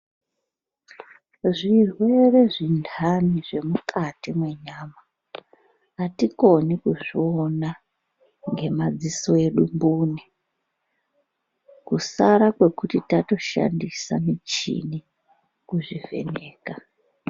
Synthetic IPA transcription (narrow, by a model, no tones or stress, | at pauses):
ʐirwe̞re̞ʐindʰʱaniʐe̞mukʰatimwe̞ɲaːma | tiko̞nikuʐiona | ŋɡe̞mad͡ziso̞e̞ɗumbuːni | kusaɾakwe̞kutitato̞ʃa̰ndisamit͡ʃḭni | kuʐive̞̰neːka